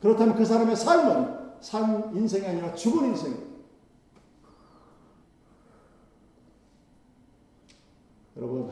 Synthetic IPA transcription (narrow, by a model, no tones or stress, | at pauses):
kɯɾʌtʰamjʌnkɯs̬ʰaɾame̞sʰanmʌnsʰaninsʰeŋiaɲiɾat͡ɕuɡuninsʰe̞ŋi | jʌɾʌbun